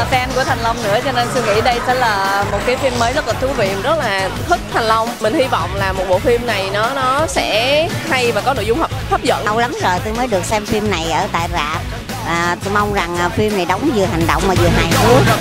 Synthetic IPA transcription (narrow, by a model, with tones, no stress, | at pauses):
sɛ˧mku˧˩ət̪ʰŋ̟lə˧wŋ͡mnɨ̰˧˥ət͡ɕɔ˧ne˧ntŋḭ˧˥ɗə˧jsɛ̰ː˧˥laː˨˩mo˨˩t̚kaː˨˦jfi˧mːəː˨˦jzə˦˥t̚laː˨˩t̪ʰu˨˦vḭ˧˨əmzə˦˥t̚laː˨˩t̪ʰɨ˦˥k̚t̪ʰa˨˩ŋ̟lə˧wŋ͡mmï˨˩ŋ̟hi˧vɔ̰˧˨wŋ͡mlaː˨˩mo˨˩t̚ɓo̰˧˨fi˧mna˨˩jnɔ˨˦nɔ˨˦sɛ̰˧˥ha˧jvaː˨˩kɔ˨˦no̰˧˨jzʊ˧ŋ͡mhə˨˩p̚fʰə˦˥p̚zə̰˧˨n˧wla˨˦mzo˨˩jt̪o˧jməː˨˦jɗɨ˨˩ək̚sɛ˧mfi˧mna˨˩jʔəː˧˩t̪a̰ː˧˨jza̰ː˧˨p̚ | aː˨˩t̪o˧ma˧wŋ͡mza˨˩ŋʔːfi˧mna˨˩jɗɔ˨˦wŋ͡mzɨ˨˩əɦa˨˩jŋ̟ɗɔ̰˧˨wŋ͡mmaː˨˩zɨ˨˩əɦaː˨˩jsu˨˦ək̚